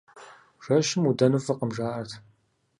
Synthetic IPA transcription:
ʒ̥ɐʃɪmudɐnɨfɐqəmʒaːɐrtʰ

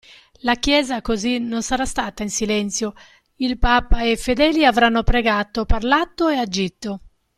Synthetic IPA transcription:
lakjɛːzakozinːonsaɾast̪aːt̪ainsilɛnt̪sjo | ilpaːpaɛfːed̪ɛːliavɾanːʊpɾɛɡaːt̪opaɾlat̪ːoɛad͡ʒːit̪ːo

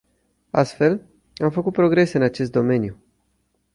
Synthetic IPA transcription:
a̰st̪fe̞l | amfəkut̪̚pɾo̞ɡɾe̞se̞ɨnat͡ʃe̞s̬t̪d̪o̞me̞nju

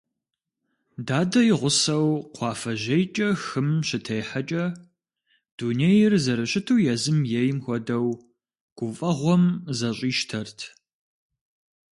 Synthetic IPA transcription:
daːdɐjɪʁʷʊsɐwqʷʰɑːfɐʒejt͡ʃʼɐxɨmɕɪtʰejħat͡ʃʼɐ | d̥uːnejɪrzɐɾɨɕʼɪtʰuːjɛzɨmjejɪmxʷɔdɐw | ɡ̥ʷʊfʼɐʁʷɔmzɐɕʼiːʃtʰɐrtʰ

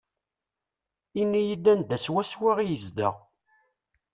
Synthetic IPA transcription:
inːijid̪ːænd̪æswæswiʁijəzd̪ə̰ʁ

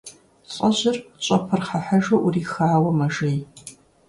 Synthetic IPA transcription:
ɕʼɐʑɪrt͡ɕʼɐpʰɨrχaħɐʒɐʔuriːxaːwɐmɐʒej

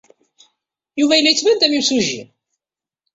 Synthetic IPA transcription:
juvæjəlːæjət͡sːvænd̪æmjimsuʒːḭɾ

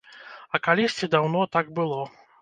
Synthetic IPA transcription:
ɐkalʲisʲt͡sʲid̪awnɔt̪aɡ̚bɨlˠɔ

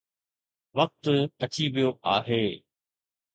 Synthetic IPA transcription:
ʋɐk̚t̪ɐt͡ɕiʋijoʔaːɦeː

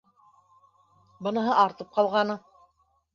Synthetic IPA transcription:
bɤ̆nɤ̆ɦɤʔɑɾt̪ɤp̚qɑlˠʁɑnɤ

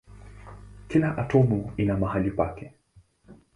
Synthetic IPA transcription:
kilaʔatʰɔmuinamaɦalipakɛ

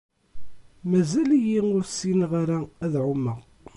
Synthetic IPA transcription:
mæzælijiʊɾsinʁaɾææðʕʊmːæ

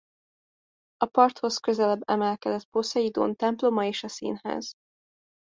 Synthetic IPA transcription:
ɒpɒrt̪ho̞skøzɛlɛbːɛmɛlkɛd̪ɛt̪̚posɒjid̪o̰ːnt̪ɛmplo̞mɒeːʃɒsḭːnhɛ̰z̥

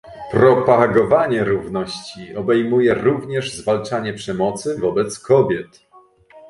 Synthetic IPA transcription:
pɾɔpaɡɔvaɲɛɾuvnɔɕt͡ɕiɔbɛjmujɛɾuvɲɛʐzvalt͡ʂaɲɛpʂɛmɔt̪sɘvɔbɛt̪skʰɔbʲjɛt̪

